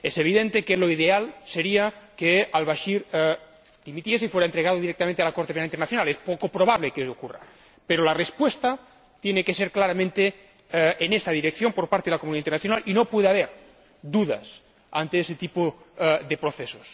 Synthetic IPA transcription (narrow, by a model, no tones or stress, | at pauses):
eseβ̞iðent̪ekeloiðealseɾiakealβaʃiɾ | d̪̥imit̪jes̬eifweɾaent̪ɾeɣað̞oðiɾekt̪amẽnt̪ealakoɾt̪epenalint̪ernaθjonalespokopɾoβ̞aβlekeokura̰ | peɾolarespwest̪a | t̪jenekeseɾklaɾamẽnt̪e | enest̪aðiɾekθjompoɾpaɾt̪eelakomuniaint̪eɾnaθjonalinopweðeaβ̞eɾ | d̪uða̰s | a̰nt̪eeset̪ipo | ðepɾoθesos